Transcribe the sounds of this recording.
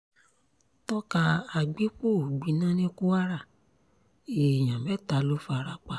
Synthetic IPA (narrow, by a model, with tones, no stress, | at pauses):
tɔ˦ka˧a˧ɡ͡bi˨˦k͡po˦˨ɡ͡bi˧˦nã˦nĩ˦ku˦a˦ɾa˦˨ | e˨j̃ã˨mɛ˨˦˨ta˨˧lo˦fa˧ɾa˧k͡pa˧˨